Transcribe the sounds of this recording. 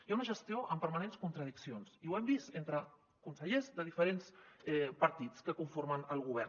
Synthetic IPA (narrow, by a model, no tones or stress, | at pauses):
jaunəʒəst̪ioʔəmpəɾmənenskunt̪ɾəð̞iksionsiwɛmbist̪ent̪ɾə | kunsəʎezðəðifəɾensɛpəɾt̪it͡skəkuɱfoɾmənəlˠɣ̞uβ̞ɛɾ